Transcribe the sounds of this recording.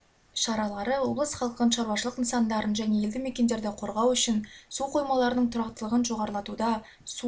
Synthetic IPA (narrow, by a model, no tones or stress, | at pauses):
ʃɑɾɑlˠɑɾəwo̞blˠəsχɑlˠqənənʃɑɾwɑʃəlˠəqnəsɑnd̪ɑɾənʒæne̞e̞ld̪ɪmekʲe̞nd̪e̞ɾd̪ɪqʰo̞ɾʁɑwʏʃɪnsuqʰo̞jmɑlˠɑɾənəɴt̪ʰʊɾɑqt̪əlˠəʁənʒo̞ʁɑɾəlˠɑt̪ud̪ɑ | su